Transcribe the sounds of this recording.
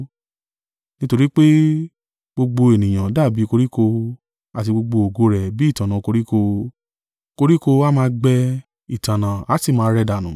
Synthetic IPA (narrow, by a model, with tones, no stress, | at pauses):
nĩ˦to˧ɾi˦k͡pe˦ | ɡ͡bo˧ɡ͡bo˧e˨nĩ˨j̃ã˨da˦˨bi˨˦ko˧ɾi˦ko˧ | a˨ti˧ɡ͡bo˧ɡ͡bo˧o˨ɡo˦ɾɛ˨bi˨˦˨tã˨nã˨˧ko˧ɾi˦ko˧ | ko˧ɾi˦ko˧a˦mãː˧ɡ͡bɛ˧ | i˨tã˨nã˨a˨˦ti˦˨mãː˧˦˧ɾɛ˧da˨nũ˨˦